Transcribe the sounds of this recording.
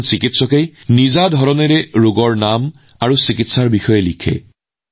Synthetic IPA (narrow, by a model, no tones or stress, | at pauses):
sikitsɔkejnizadʱɔɹɔneɹɛɹoɡɔɹnam | aɹusikitsaɹbixɔjɛlikʰɛ̰